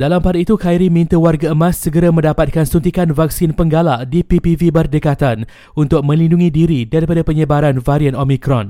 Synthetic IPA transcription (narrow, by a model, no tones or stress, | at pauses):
dalampaɾit̪ukajɾimĩnt̪əwarɡaəmãsːəɡəɾamə̃ndapat̪̚kansunt̪̬ikanvak̚sinpəŋɡalaʔdipipivibərdəkat̪an | unt̪ʊk̚mə̃linduŋĩdiɾidaɾipadapəɲəbaɾanvaɾianomĩkɾɔ̰n